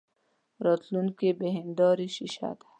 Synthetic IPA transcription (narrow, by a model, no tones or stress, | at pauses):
ɾɔt̪lunkebeɦɪnd̪ɔːɾiʃiʃa̰t̪